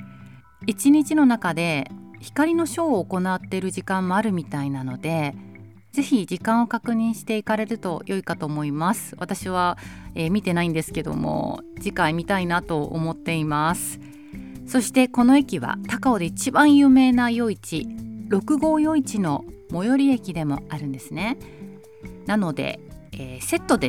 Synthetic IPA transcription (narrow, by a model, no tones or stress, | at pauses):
it͡ɕiɲ̟it͡ɕino̞nakad̪e̞çi̥kaɾʲino̞ɕo̞ːko̞nat̪ːe̞ɾɯ̟ʑikãmːo̞aɾɯ̟mʲit̪ainano̞d̪e̞ | d͡ze̞çid͡ʑikãɰ̃o̞kakɯ̟ɲ̟ĩɰ̃ɕi̥t̪e̞ikaɾe̞ɾɯ̟t̪o̞jʔo̞ikat̪o̞ːmo̞imasɨ̥βat̪aɕiβ̞aemʲit̪e̞naĩnd̪e̞sɨ̥ke̞d̪o̞̰mo̰d͡ʑikaimʲit̪ainat̪o̞o̰mo̞t̪ːe̞imasɨ̥ | so̞ɕi̥t̪e̞ko̞no̞ekʲiβa̰t̪akao̞d̪e̞it͡ɕibãɰ̃jɯ̟ːme̞ːnajo̞it͡ɕiɾo̞kɯ̟ɡo̞ːjo̞it͡ɕino̞mo̞jo̞ɾʲie̞kʲid̪e̞mo̞aɾɯ̟̃nd̪e̞sɨne̞ | nano̞d̪e̞̰eːse̞t̪ːo̞d̪e